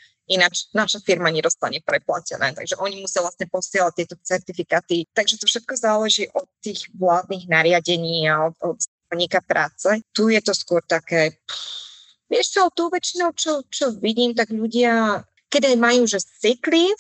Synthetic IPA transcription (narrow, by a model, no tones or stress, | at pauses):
inat͡ʃnaʃafiɾmaɲɛd̪ɔst̪a̰ɲɛpɾɛpla̰cɛnɛ̰ːt̪a̰ɡʒɛʔɔɲimusɪavlasɲɛpɔsɪɛlac̚t̪ɪɛt̪ɔt͡sɛɾt̪ifikaːt̪it̪aɡʒɛt̪ɔfʃɛt̪̚kɔzaːlɛʒiːʔɔt̪ːiːɣʋlaːd̪niɣnaɾɪaɟɛɲiːaɔt̪ɔt̪s | ɔɲikapɾʔaːt͡sɛt̪ujɛt̪ɔskʊɔɾt̪akɛː | ʋɪɛʃt͡sɛɔt̪ːɔʊʋɛt͡ʃinɔʊt͡ʃɔt͡ʃɔʋiɟiːmt̪̬aɡʎuɟɪa | kɛdajmajuːʒɛt͡sikli